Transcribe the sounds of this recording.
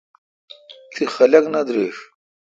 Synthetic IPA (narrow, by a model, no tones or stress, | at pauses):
t̪ʰixɐlɐknɐd̪ɾeːʂ